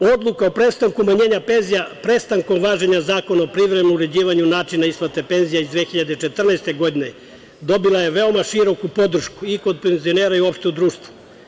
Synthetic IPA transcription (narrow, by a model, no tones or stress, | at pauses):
o̞d̪lˠukaopɾest̪aŋkumaɲeːɲape̞nzijapɾest̪aŋko̞mʋaːʒeɲazaːko̞naopɾiʋɾemnuuɾe̞d͡ʑiːʋaɲunaːt͡ʃinaisplat̪e̞pe̞nzijaizd̪ʋeːxiʎad̪eit͡ʃe̞t̪r̩naest̪eɡo̞d̪ine̞ | d̪o̞bilaje̞ʋeo̞maʃiɾo̞kupo̞d̪r̩ʃkuiko̞d̪̚penzioneɾaiuo̞pʃt̪e̞ud̪ɾuːʃt̪ʋu̥